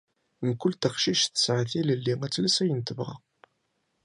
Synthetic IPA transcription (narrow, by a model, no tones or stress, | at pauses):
məkʷːʊlt̪əχʃiʃθə̥sʕaθiləlːiŋæt͡sːlæsæjənt̪əvʁɑ̰